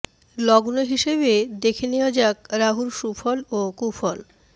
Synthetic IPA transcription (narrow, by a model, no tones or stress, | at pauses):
lɔɡnoɦiʃeβed̪ekʰenead͡ʑakɾaɦuɾʃufʰɔlokufʰɔl